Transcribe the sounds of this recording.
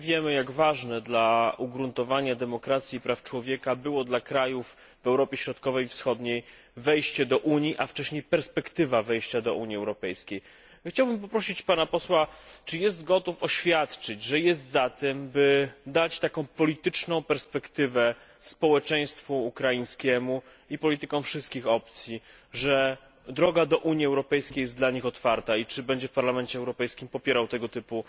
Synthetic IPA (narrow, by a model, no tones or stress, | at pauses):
vʲjɛmɘjaɡvaʐnɛd̪lauɡɾunt̪ɔvaɲad̪ɛmɔkɾat̪sʲjipɾaft͡ʂwɔvʲjɛkabɘwɔd̪lakɾajuf | vɛwɾɔpʲjɛɕɾɔt̪kɔvɛjfsxɔd̪ɲej | vɛjɕt͡ɕɛd̪ɔʔuɲiʔaft͡ʂɛɕɲejpɛɾspɛkt̪ɘvavɛjɕt͡ɕad̪ɔ̰ʔṵɲiɛwɾɔpɛjskʲej | xt͡ɕawbɘmpɔpɾɔɕit͡ɕpanapɔswat͡ʂɘjɛst̪ɡɔt̪ufɔɕfʲjat̪t͡ʂɘd͡ʑʐɛjɛst̪zat̪ɛmbɘd̪at͡ɕt̪akɔ̃w̃pɔlʲit̪ɘt͡ʂnɔ̃w̃pɛɾspɛkt̪ɘvɛ | spɔwɛt͡ʂɛj̃st̪fuːkɾajĩɲskʲɛmu | ipɔlʲit̪ɘkɔ̃w̃fʂɘst̪̚kʲixɔpt̪sʲjiʐɛ | d̪ɾɔɡad̪ɔʔuɲjiɛwɾɔpɛjskʲejɛsd̪laɲixɔt̪faɾt̪ait͡ʂɘbɛɲd͡ʑɛfpaɾlamɛnt͡ɕɛːwɾɔpɛjskʲimpɔpʲjɛɾawt̪ɛɡɔt̪ɘpu